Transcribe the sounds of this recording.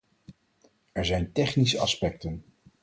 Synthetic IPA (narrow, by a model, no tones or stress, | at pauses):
ɛɹzɛjntɛχnisəɑspɛk̚tən